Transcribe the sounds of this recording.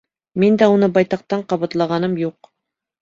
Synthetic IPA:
mind̪æunɤbɑjt̪ɑq̚t̪ɑɴqɑβɑt̪lˠɑʁɑnɤmjuq

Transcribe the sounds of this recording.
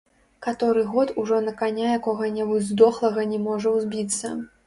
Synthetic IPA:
kat̪ɔɾɨɣɔt̪uʐɔnɐkanʲajakɔɣɐnʲɛbud͡zʲzd̪ɔxlˠɐɣɐnʲɛmɔʐɐwzʲbʲit̪sːɐ

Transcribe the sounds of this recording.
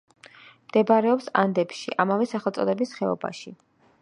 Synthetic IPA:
md̪̥ɛbaɾɛɔpsand̪ɛpʃiʔamavɛsaχɛlˠt̪sʼɔd̪ɛbisχɛɔ̰ba̰ʃi

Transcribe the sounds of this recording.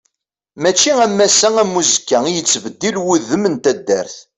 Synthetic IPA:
mæt͡ʃːiæmːæsæŋæmːuzəkːæijət͡sːvəd̪ːilwuðəmənt̪æd̪ːæ̰ɾθ

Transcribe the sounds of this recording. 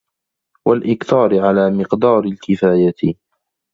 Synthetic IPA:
walʔɪkθɑːɾʕalaːmɪqd̪ɑːɾɪlkɪfaːjat̪ɪ

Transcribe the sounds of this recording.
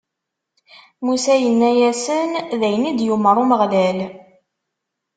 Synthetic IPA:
musæjənːæjæsənðæjənid̪juməɾˤuməʁlæl

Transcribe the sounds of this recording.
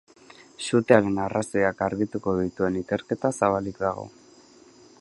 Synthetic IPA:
sut̪eaɾe̞narasojakaɾɣit̪uko̞ðit̪ue̞nike̞ɾke̞t̪asaβ̞alikd̪aɣ̞o̞̰

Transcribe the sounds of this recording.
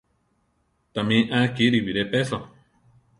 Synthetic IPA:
t̪amĩʔãkiɾiβiɾepeso

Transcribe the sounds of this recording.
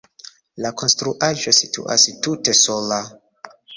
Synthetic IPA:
lako̞nstɾuʔaʒositṵʔa̰stute̞sola

